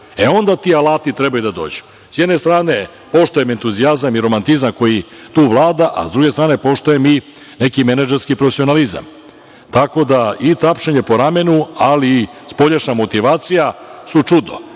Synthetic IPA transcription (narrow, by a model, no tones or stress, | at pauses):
eo̞nd̪at̪iːalaːt̪it̪ɾebajud̪ad̪o̞̰ːd͡ʑu̥ | sjɛd̪nest̪ɾaːne̞ | po̞ʃt̪ojeme̞nt̪uziazamiɾo̞mant̪izamko̞ji | t̪uːʋlˠaːd̪aʔa̰zd̪ɾuɡest̪ɾaːne̞po̞ʃt̪ojemi | ne̞kimenad͡ʒeɾskipɾofesio̞naliza̰m | t̪ako̞d̪ait̪apʃeɲe̞po̞ɾame̞nualiːspo̞ʎeʃnamo̞t̪iʋaːt̪sijasut͡ʂud̪o̰